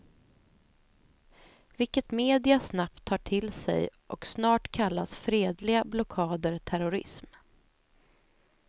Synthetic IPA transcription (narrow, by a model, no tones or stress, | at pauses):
vɪlkət̪meːd̪ɪasnap̚t̪ʰːɑːʈʰɪlsɛ̰jʔɔksnɑːʈkʰalːasfɾeːd̪lɪɡablɔkʰɑːd̪əɾt̪ʰæɾʊɾɪ̰sm